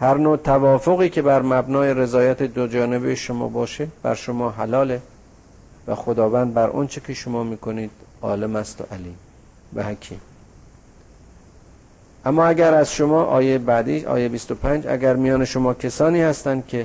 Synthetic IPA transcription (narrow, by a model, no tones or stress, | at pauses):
hæɾnot̪ʰævɒːfoɣiːkʰe̞bæɾmæbnɒːje̞ɾe̞zɒːjæt̪ʰed̪od͡ʒɒːne̞bejeʃomɒ̰ːbɒːʃeb̥æ̰ɾʃomɒːɦælɒːle̞ | væ̰xod̪ɒːvænd̪̚bæɾʔɒ̰nt͡ʃʰekʰeʃomɒːmiːkʰoniːd̪̥ɒ̰ːlemæst̪o̰ʔæliːm | væ̰hækʲʰḭːm | ʔæmːɒːæɡæɾæzʃomɒːʔɒ̰ːjejebæd̪iːɒ̰ːjejbist̪o̞pʰænd͡ʒæ̰ɡæɾmijɒːne̞ʃo̞mɒːcʲʰesɒːniːhæst̪ænd̪̚kʰe̞